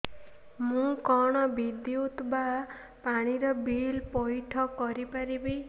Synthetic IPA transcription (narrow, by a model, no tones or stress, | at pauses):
mũkɔɽ̃ɔbid̪iut̪ba | paɽ̃iɾɔbilpɔjʈʰɔkɔɾipaɾibi